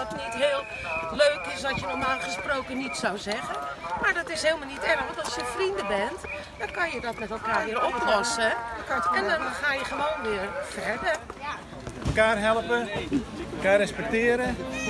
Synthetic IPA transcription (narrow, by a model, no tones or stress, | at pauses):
ɔtnitɦɪːlˠ | løːkɪsdɔtjənɔχmaːlˠχəsprowkənitsawzɛɣənmaːɹdɔtɪsɦeːlˠmalnitɛnəʋɔntɑlˠsjəfrindəbɛnt | d̥ɔnkɑnjədɔtmɛtɛlˠkaːɹʋɪːɾɔplɔsəɛdɔnχaːjəχəʋownʋɪːərfɛɹdər | ɛlˠkaːrɦɛlˠəpə | lkaːrɛspɛk̚tɪːəɾə